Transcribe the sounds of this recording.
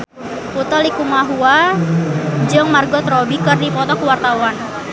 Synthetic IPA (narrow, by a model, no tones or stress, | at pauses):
put̪ɔlikumaɦua | d͡ʒəŋmarɡɔt̪rɔbikɨrdipɔt̪ɔkuwart̪awan